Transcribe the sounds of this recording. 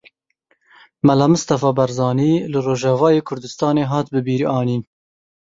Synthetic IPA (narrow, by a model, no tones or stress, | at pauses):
mælɑːmɨst̪ɑfɑːbɛɾzɑːniːlɨroːʒɛvɑːjeːkʰʊɾd̪ɨst̪ɑːneːɦɑːt̪̚bɨbiːɾiɑːniːn